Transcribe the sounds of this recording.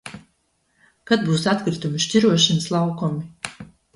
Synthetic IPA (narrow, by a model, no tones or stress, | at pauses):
kad̪̚buːsat̪kɾit̪umiʃt̪ʲiɾuɔʃɛnslˠawkɔmi